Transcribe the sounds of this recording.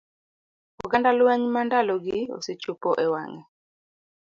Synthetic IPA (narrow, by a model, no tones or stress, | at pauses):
ɔɡandalwɛɲmandalɔɡɪo̰set͡ʃupoʔɛwa̰ŋɛ